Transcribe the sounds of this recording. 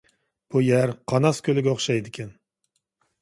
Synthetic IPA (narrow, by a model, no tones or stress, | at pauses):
b̥ujæɾqʰɑnɑskʲʰølɪɡʲɛoχʃɑjd̪ɪkʲʰɛn